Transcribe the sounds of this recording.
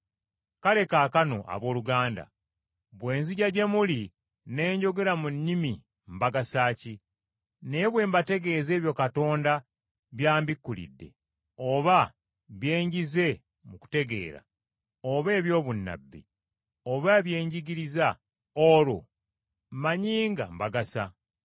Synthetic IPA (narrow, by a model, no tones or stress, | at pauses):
kale̞kaːkano̞̰ʔa̰βo̞ːluɡaːnda̰ | βwe̞ːnziɟaɟe̞muli | ne̞ːɲɟo̞ɡe̞ɾamunːimi | mbaɡasaːci | ne̞βwe̞ːmbate̞ɡe̞ze̞ːβjo̞kato̞ːnda | βjaːmbikːulḭdːe̞̰ | oβa | βje̞ːɲɟize̞ | muku̥te̞ɡe̞̰ːɾa̰ | oβe̞ːβjo̞ːβunːa̰bːḭ | oβaβje̞ːɲɟiɡiɾiza | oɾo̰ | maɲiːŋɡa̰mbaɡasa